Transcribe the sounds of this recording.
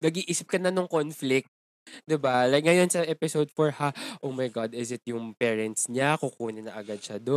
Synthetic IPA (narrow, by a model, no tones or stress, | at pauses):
nɐɡiʔiːsɪp̚kɐnɐnoŋkonflɪk̚t̪̚ | d̪ɪbalɐŋɐjo̞nsɐʔɛpɪsowd̪̚foɹhaʔowmɐjɡad̪ɪsɪt̪̚jʊŋpɛːɹɛnt̪sɲakʊkuːnɪnɐʔɐɡad̪̚ʃɐd̪o